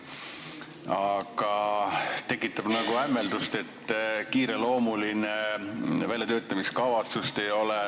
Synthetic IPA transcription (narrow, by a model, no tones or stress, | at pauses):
ɑɡ̥ɑt̪e̞kːˑit̪ːˑɑb̥nɑɡ̥uæmːe̞ld̪ust̪e̞t̪ːkiːɾe̞lo̞ːmulinevæljɑt̪øːt̪ːˑɑmiskɑvɑt̪sust̪e̞jo̞le